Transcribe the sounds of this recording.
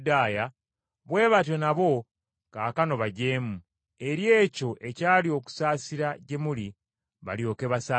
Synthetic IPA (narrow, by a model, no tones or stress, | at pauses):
daːja | βwe̞ːβat̬o̞naβo̞ | kaːkano̞βaɟe̞ːmu | e̞ɾje̞ːco̞ʔe̞caːlio̞ku̥saːsiɾaɟe̞muli | βa̰ljo̞ːkeβasaː